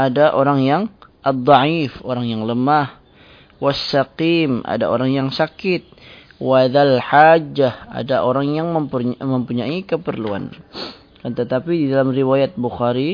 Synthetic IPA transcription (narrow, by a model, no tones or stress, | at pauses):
ʔadaʔoɾaŋjaŋʔad̪ˤːɑʕifoɾaŋjaŋləmah | wasːaqima̰da̰o̰ɾaŋjaŋsakɪt̪̚ | waðalħad͡ʒaha̰daʔoɾaŋjaŋməmpməmpuɲaikəpərlua̰n | kant̪ət̪apididalamriwajat̪̚buxaɾi